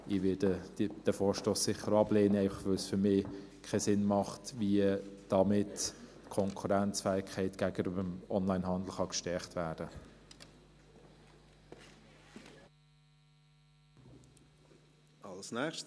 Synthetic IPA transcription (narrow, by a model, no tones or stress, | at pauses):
ɪʋɪdə̥d̥əfɔːɹʃtoːsːɪχəɾɑbleːnəæɪfɑχʋœlsfʏmɪː | kʰɛsɪnmɑχtviəd̥ɑmɪt | kʰɔŋkʰuɾænt͡sfɛːɪkʰɛɪtɡ̥æɡəɾøbəmɔnlaɪnɦɑnd̪l̩χɑkʃtɛχtvæːd̥ə | ɑlsnɛʃ